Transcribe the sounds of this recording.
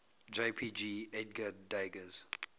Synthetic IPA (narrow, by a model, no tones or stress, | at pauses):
d͡ʒepʰid͡ʒiɛt̚ɡədaɪɡəz̥